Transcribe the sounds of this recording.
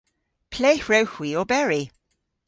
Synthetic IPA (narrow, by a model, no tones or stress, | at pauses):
pʰl̥ejhɹɛwxwiɔbɛɹi